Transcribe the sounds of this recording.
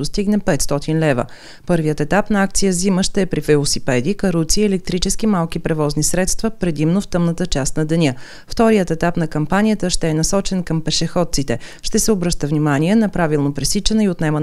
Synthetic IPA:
ost̪iɡnɛpɛt̪st̪ɔt̪inlɛvə̰ | pɤɾvijət̪ɛt̪apnɐak̚t̪sijəziməʃt̪ɛɛpɾivɛlˠosipɛd̪ikəɾupt̪siɛlɛk̚t̪ɾit͡ʃɛsk̟imalˠk̟ipɾɛvɔznisɾɛt̪st̪vəpɾɛd̪imnoft̪ɤmnət̪ət͡ʃast̪nɐd̪ɛnʲə | ft̪ɔɾijət̪ɛt̪apnɐkɐmpanijət̪əʃt̪ɛɛnɐsɔt͡ʃɛnkəmpɛʃɛxɔt̪̚sit̪ɛʃt̪ɛsɛobɾɤʃt̪əvnʲimaniɛnɐpɾavilˠnopɾɛsit͡ʃɛnəiot̪nɛmən

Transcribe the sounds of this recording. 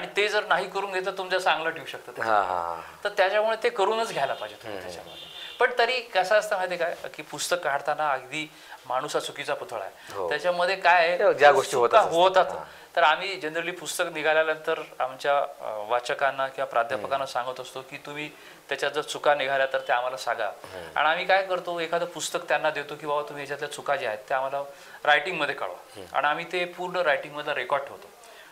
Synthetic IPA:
aɽit̪ed͡zəɾnaɦiːkəɾuːnɡʱet̪at̪ːumt͡sasãŋɡləʈʰiuɕək̚t̪ət̪aã̰ɦt̪əɾt̪jat͡ɕjamuɭet̪ekəɾuːnət͡sɡʱjajlapad͡ʑet̪umiit̪ja̰t͡ɕa̰mə̰d̪ʱːepəɳt̪əɾiːkəsaəst̪am̤ajt̪ekajkiːpust̪əkːaɽt̪anaːɡd̪iː | maɽ̃usat͡sʰukit͡saput̪ʰɭa̰jḛɦojat͡ɕaməd̪ʱːjekajd͡ʑjaɡoʂʈiːɦot̪kaɦot̪at̪ | t̪əɾam̤iːd͡ʑəndɾəliːpust̪əkniɡʱaljalant̪əɾamt͡ɕjaʋat͡ɕəkanːakĩʋapɾad̪ʱjapəkanːasãŋɡət̪əst̪okiːt̪um̤iː | t̪jat͡ɕjad͡zəɾt͡sʰukaniɡʱaljat̪əɾt̪eam̤alasaɡa̰a̰ɽiamiːkajkəɾt̪oekʰad̪əɾpust̪əkt̪janːad̪et̪okĩw̃babat̪um̤iːat͡ɕat̪ljat͡sʰukad͡ʑeaɦet̪ːeam̤ala | ɾajʈiŋɡməd̪ʱːjekə̰ɭʋa̰a̰ɽ̃iam̤iːt̪epuɾɳəɾajʈĩŋɡməd̪ʱlaɾekɔɾɖɦo̰t̪o

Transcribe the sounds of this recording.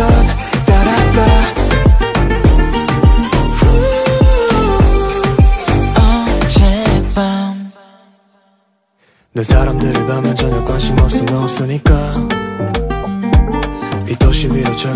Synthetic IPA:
ʌn | taɾanda | ʌt͡ɕepan | nesaɾamdɯɾɯɭpamjʌnd͡ʑʌnɯkwanɕʰimʌp̚s͈ɯnɯʌp̚s͈ɯɲik͈a | it͈ʰʌɕʰiwiʌt͡ɕʰʌ

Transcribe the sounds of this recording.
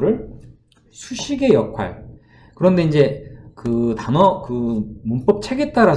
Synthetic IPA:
ɾɯɭ | sʰuɕʰiɡe̞jʌkʰwa̰ɭ | kɯɾʌnde̞ind͡ʑe̞kɯtanʌkɯmunp͈ʌp̚t͡ɕʰe̞ɡe̞t͈aɾa

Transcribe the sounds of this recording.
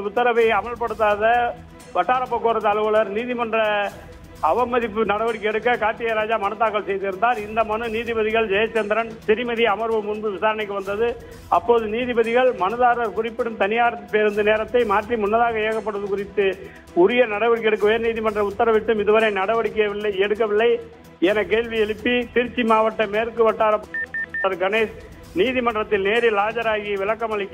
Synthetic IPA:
ɐʊt̪ːɐɾɐʋɐɪɐmɐɭpɐɽɯt̪ːaːðɐ | ʋɐʈːaːɾɐpːɐkːoːɾɐt̪ɐlɯʋɐɭɐɾniːðɪmɐndrɐ | ɐʋɐmːɐðɪpːɯnɐɽɐʋɐɽɪkːɛɽɯkːɐkaːt̪ɪjɐɾaːd͡ʒaːmɐnɯt̪ːaːɾkːɐɭsɛjðɪɾɯnd̪aːɾɪnd̪ɐmɐnɯniːðɪbɐðɪɣɐɭd͡ʒɐjɐt͡ʃːɛnd̪ɪɾɐnsɪɾɪmɐðiɐmɐɾʋɯmʊnbɯʋɪsaːɾɐɳɐɪkːɯʋɐnd̪ɐðɯ | ɐpːoːðɯniːðɪbɐðɪɣɐɭmɐnɯðaːɾɐɾkʊrɪpːɪɽɯmt̪ɐnɪjaːɾɐpeːɾɯnd̪ɐneːɾɐt̪ːɐɪmaːʈrimʊnːɐðaːɣɐeːɣɐp̬ːɐɽɯɐðɯkʊrɪt̪ːɯ | ʊɾɪjɐnɐɽɐʋɐɽɪkːɛɽɯk̬ːɐʊjɐɾniːðɪmɐɳɖrɐʊt̪ːɐɾɐʋɪʈːɯmɪðɯʋɐɾɐɪnɐɽɐʋɐɽɪkːɐɪɐɛɽɯk̬ːɐʋɪɭːɐɪ | ɛnɐkeːɭʋiɛɭɯpːit̪ɪɾt͡ʃːimaːʋɐʈːɐmeːɾkːɯʋɐʈːaːɾɐpɐɾɡɐneːs | niːðɪmɐɳɖrɐt̪ːɪlneːɾɪlaːd͡ʒɐɾaːɣɪjɐʋɪlɐkːɐmɐɭɪkː

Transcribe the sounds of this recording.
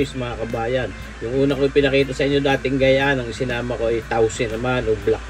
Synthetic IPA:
jsmɐŋakɐbaːjɐn | jʊŋʔuːnɐkoɪpɪnɐkiːt̪ɐsɐʔɪɲːo̞d̪aːt̪ɪŋɡɐjaʔanɐŋɪsɪnaːmɐko̞ɐjt̪awsɪnːɐmanoblak̚

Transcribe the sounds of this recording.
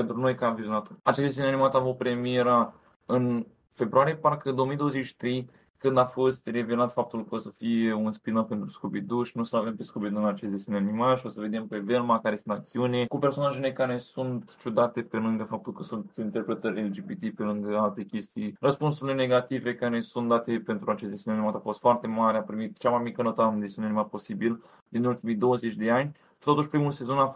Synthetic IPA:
pent̪ɾuno̞jkaviɾnat̪oat͡ʃesd̪esʲiunanimat̪avopɾemieɾa | ɨn | fe̞bɾuaɾijeparkəɨnd̪oomijd̪ooəzet͡ʃʃi̥t̪ɾej | kɨnd̪afo̞st̪re̞ve̞lat̪fap̚t̪ulkəosəfije̞unspinape̞nt̪ɾuskopid̪uʃnusəave̞mpeskopid̪d̪unat͡ʃestd̪esʲiuneanimalʃio̞səve̞d̪e̞mpeve̞lmakaɾesunt̪ak̚t̪siunʲekupe̞rsonaʒelekaɾe̞sunt̪t͡ʃud̪at̪e̞pe̞lɨŋɡəfap̚t̪ulkəsunt̪int̪e̞rpɾe̞t̪əɾʲeld͡ʒibit̪ipe̞lɨŋɡəalt̪e̞kʲe̞st̪ijrəspunsuɾile̞neɡat̪ive̞kaɾe̞sunt̪d̪at̪e̞pe̞nt̪ɾuat͡ʃest̪eseneanimat̪afo̞st̪foart̪e̞maɾeapɾimit̪t͡ʃamajmikənot̪ad̪esunanimat̪̚po̞sibil | d̪inult̪imijd̪o̞wəzet͡ʃʲd̪e̞anʲ | i̥t̪ot̪uʃʲpɾimulse̞zo̞naf

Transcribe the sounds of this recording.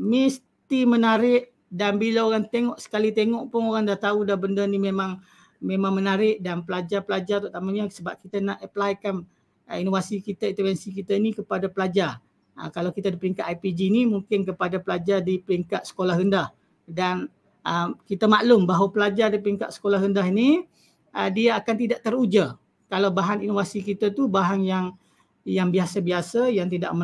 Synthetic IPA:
mis | t̪imənaɾɪʔ | danbilaoɣaŋt̪eŋɔʔsə̥kalit̪eŋɔʔpʊnoɾaŋdaht̪audahbəndənimemaŋ | memãŋmənaɾɪʔdanpəlad͡ʒarpəlad͡ʒart̪ʊʔt̪amaɲasəbap̚kit̪anaʔəplajkan | inovasikit̪aint̪əfɛnsikit̪ainikəpadapəlad͡ʒar | ə̰kalawkit̪adipəɾiŋkat̪ajpid͡ʒinimuŋkɪnkəpadapəlad͡ʒardipəɾiŋkat̪̚sə̥kolahɾəndah | dan | ʔəkit̪amaʔlʊmbaɦwapəlad͡ʒardip̬əɾiŋkat̪sə̥kolahɾəndaɦini | ədiaakant̪idaʔt̪əɾud͡ʒa | kalawbaɦaninovasikit̪at̪ubaɦanjaŋ | jaŋbiasabiasajaŋt̪̬ida̰ʔmə

